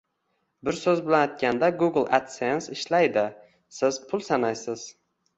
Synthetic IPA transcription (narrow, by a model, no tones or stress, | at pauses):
bɪɾsɵzbɪlanajt̪̚kʲand̪aɡuɡlˠa̰t̪sensɪʃlajd̪ɪ | sɪz̥pʰʊlˠsanajsɪz̥